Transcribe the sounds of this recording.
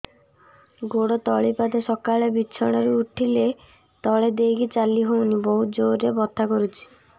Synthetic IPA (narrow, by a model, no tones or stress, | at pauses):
ɡoɽɔt̪ɔɭipad̪esɔkaɭebit͡ʃʰɔɽ̃ɔɾuuʈʰile | t̪ɔɭed̪ejɡit͡ʃalːiɦownibɔɦud͡ʒoɾːebɔt̪ʰːakɔɾut͡ʃʰi̥